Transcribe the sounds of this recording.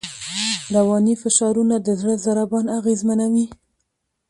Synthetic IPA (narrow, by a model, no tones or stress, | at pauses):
ɾawɑnifɪʃɑɾunad̪əzɽəzaɾabɑnaɣezmanawi